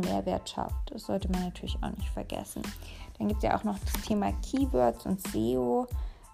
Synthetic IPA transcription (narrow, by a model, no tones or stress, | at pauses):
meːɐvɪːɐtʃa̰ftd̥asz̥ɔltəmanːatʰyːɐlɪçaʊxnɪçtfɛɐɡɛ̰sn̩d̥anɡiːptsja̰ʔa̰ʊxnɔχd̥astʰeːma̰kʰiːvœɐtt͡sʔʊ̰ntz̥eːo